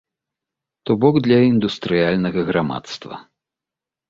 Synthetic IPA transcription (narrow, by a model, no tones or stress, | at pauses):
t̪ɔbɔɡd̪lʲɐind̪ust̪ɾɨjalʲnɐɣɐɣɾama̰t̪st̪vɐ̰